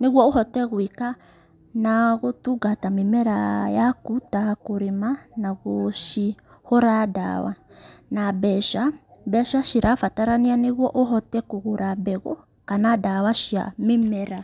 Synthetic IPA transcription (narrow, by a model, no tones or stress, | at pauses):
niɣwɔoɦɔtɛɣwika | naɣotuɡatamimɛɾajakutakuɾimanaɣoʃi | hɔɾada̰wa̰nabɛʃabɛʃaʃiɾafataɾanianiɣwɔʔoɦɔtɛkuɣuɾabɛɣɔ | kanadawaʃia̰mimɛɾa